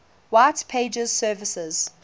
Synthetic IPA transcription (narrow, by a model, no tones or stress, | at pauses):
waɪtpʰeɪd͡ʒəz̥sɜːvɪsɪz̥